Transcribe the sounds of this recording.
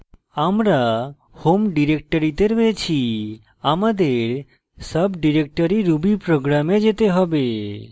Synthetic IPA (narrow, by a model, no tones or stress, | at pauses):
amɾa | homɖiɾek̚ʈəɾit̪eɾʋet͡ʃʰi | amad̪eɾ | səbɖiɾek̚ʈəɾiɾubipɾoɡɾamed͡ʒet̪eɦɔbe